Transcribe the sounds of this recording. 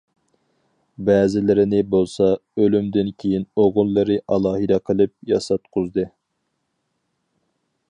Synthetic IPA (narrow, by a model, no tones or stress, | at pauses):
bɛːzɪlɪɾɪnɪbolˠsɑølymd̪ɪnkʲʰejinoʁʊlˠːɨɾɨʔɑlˠɑːɦɨd̪ɛqʰəlˠɨp̚jɑsɑt̪̚qʰʊzd̪ɨ